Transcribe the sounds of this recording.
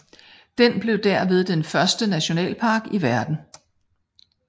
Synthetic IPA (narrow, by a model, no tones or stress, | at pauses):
d̥enb̥le̝ʊd̥æɐ̰ʋe̝ð̞ˠd̥enfɶɐsd̥ənæɕo̝nɛ̰ːlpʰɑ̈ːɡ̥iʋæɐd̥n̩